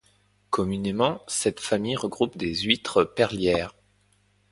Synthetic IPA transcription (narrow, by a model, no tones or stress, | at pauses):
kɔmynemɑ̃sɛt̪famijʁəɡʁupd̪ezɥit̪χəpɛʁljɛːʁ